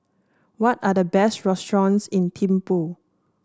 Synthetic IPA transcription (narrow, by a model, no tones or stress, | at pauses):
wɔtadəbɛstɹɛstɹɔ̃nsĩntʰĩmpo